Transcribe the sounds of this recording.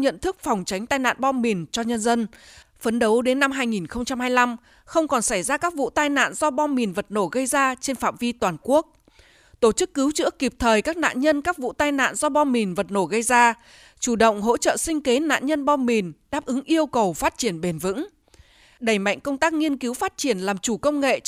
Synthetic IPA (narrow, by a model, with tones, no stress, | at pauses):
ɲə̰˧˨nt̪ʰɨ˦˥k̚fa˨˩wŋ͡mt͡ɕa˨˦jŋ̟t̪aː˧jna̰ː˧˨nɓɔ˧mi˨˩nt͡ɕɔ˧ɲə˧nzə˧n | fə˨˦nɗə˨˦wɗe˨˦nːa˧mɦaː˧jŋi˨˩nxə˧wŋ͡mt͡ɕa˧mhaː˧jla˧m | xə˧wŋ͡mkɔ˨˩nsa˧˩jzaː˧kaː˦˥k̚vṵ˧˨t̪aː˧jna̰ː˧˨nzɔ˧ɓɔ˧mi˨˩nvə˨˩t̚no˧˩ɣə˧jzaː˧t͡ɕe˧nfaː˧˨mvi˧t̪waː˨˩nku˦˥ək̚ | t̪o˧˩t͡ɕɨ˦˥kːɨ˨˦wt͡ɕɨ̰˧˥əkːi˨˩p̚t̪ʰəː˨˩jkaː˦˥k̚na̰ː˧˨nɲə˧nkaː˦˥k̚vṵ˧˨t̪aː˧jna̰ː˧˨nzɔ˧ɓɔ˧nmi˨˩nvə˨˩t̚no˧˩ɣə˧jzaː˧ | t͡ɕu˧˩ɗə̰˧˨wŋ͡mɦo̰˧˥t͡ɕə̰ː˧˨sï˧ŋ̟ke˨˦na̰ː˧˨nɲə˧nɓɔ˧nmi˨˩nɗaː˦˥p̚ʔɨ˨˦ŋʔi˧əwkə˨˩wfaː˦˥t̚t͡ɕi˧˩ənɓe˨˩nvɨ̰˧˥ŋ | ɗə˧˩jma̰˧˨jŋ̟kə˧wŋ͡mt̪aː˦˥k̚ŋi˧ənki˨˦wfaː˦˥t̚t͡ɕi˧˩ənlaː˨˩mt͡ɕu˧˩kə˧wŋ͡mŋḛ˧˨